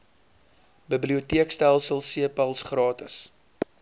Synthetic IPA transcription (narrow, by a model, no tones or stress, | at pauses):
bəbliutiəkstælˠsəlˠsiəpɐlˠsχrɑːtəs